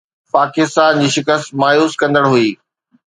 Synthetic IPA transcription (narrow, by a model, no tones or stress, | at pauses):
paːkɪst̪aːnd͡ʑiːʃɪkəst̪maːjuːskɐ̃nd̪əɽɦuiː